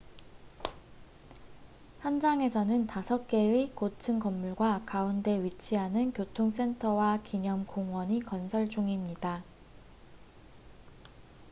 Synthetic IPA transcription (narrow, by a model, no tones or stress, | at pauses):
hjʌnd͡ʑaŋe̞sʰʌnɯntasʰʌk̚k͈e̞ikotʰɯnkʌmːuɭɡwakaunde̞ɥit͡ɕʰiɦanɯnkjotʰoŋs͈e̞ntʰʌwakiɲʌmkoŋɦwʌɲikʌnsʰʌɭd͡ʑuŋimɲida